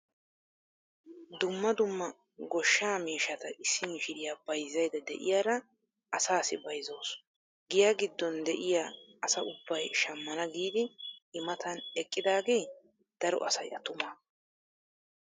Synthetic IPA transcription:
d̪ʊmːɐd̪ʊmːɐ | ɡɔʃːaːmeːʃɐt̪ɐʔɪsːɪmɪʃɪɾɪjaːbɐjzːɐjd̪ɐd̪ɛ̰ʔɪ̰jaːɾɐ | ʔɐsaːsɪbɐjzo̞ːs | ɡɪjaɡɪd̪ːɔnd̪ɛʔɪjaɐsɐʔʊbːɐjʃɐmːɐnɐɡiːd̪ɪɪmɐt̪ʰɐnɛkʼːɪd̪aːɡe̞ː | d̪̥ɐɾɔ̰ʔɐsɐjʔɐt̪ʊmaː

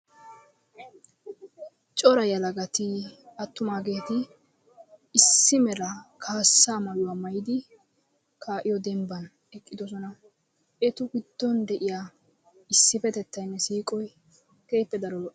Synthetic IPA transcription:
t͡ʃʼɔɾɐjɐlɐɡɐt̪ɪɐt̪ːʊmaːɡe̞ːt̪ɪ | sːɪmɛlɐkʰaːsːaːmɐjʊwaːmɐjɪd̪ɪ | kʰaːʔɪjɔd̪ɛmbɐn | ɛkʼːɪd̪ɔs̬ɔnɐ | ʔɛt̪ʊɡɪd̪̥ːɔnd̪ɛʔɪjaː | ɪsːɪfɛt̪ɛt̪ːɐjnːɛsiːkʼɔj | ke̞ːpːɛd̪ɐɾɔlɔʔ

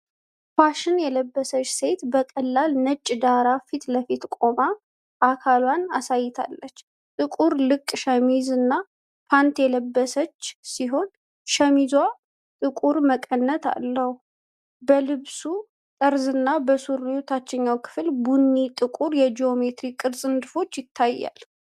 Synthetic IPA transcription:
faʃɨnjɛləbːəsət͡ʃːse̞t̪bəkʼəlːalnət͡ʃʼːd̪aɾafit̪ləfit̪kʼo̞ma | ʔakʰalwanasajːɪt̪ʰa̰lːət͡ʃː | t̪ʼɨkʼuɾlɨkʼːʃəmizɨnːa | pʰant̪jɛləbːəsət͡ʃːsiɦo̞n | ʃəmizwa | t̪ʼɨkʼuɾməkʼənːət̪ʰa̰lːəhu | bəlɨβsu | t̪ʼəɾzɨnːabəsuɾijut̪ʰat͡ʃːɪɲːawkʰɨ̥flbunːit̪ʼɨkʼuɾjɛd͡ʒio̞met̪ɾikʼːɨɾsʼɨnd̪ɨfo̞t͡ʃːjɪt̪ʰːajːa̰l

